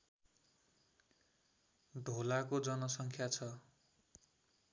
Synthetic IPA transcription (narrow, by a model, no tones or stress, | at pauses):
d̪ʱolakod͡zʌnʌsʌŋkʰjat͡sʰʌ